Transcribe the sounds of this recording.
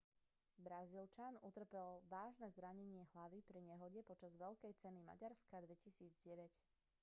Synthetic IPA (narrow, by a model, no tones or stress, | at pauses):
bɾazilt͡ʃanut̪r̩pɛlʋaːʒnɛzɾaɲɛɲɪɛɦlaʋipɾiɲɛɦɔɟɛpɔt͡ʃazʋɛʎkɛjt͡sɛnima̰ɟaɾskad̪ʋɛcisiːd͡zɟɛʋɛc